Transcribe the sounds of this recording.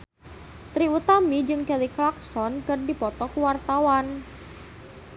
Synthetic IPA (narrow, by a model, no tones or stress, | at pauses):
t̪ɾiut̪amid͡ʒɨŋkɛliklak̚sɔnkɨrdipɔt̪ɔkwart̪awan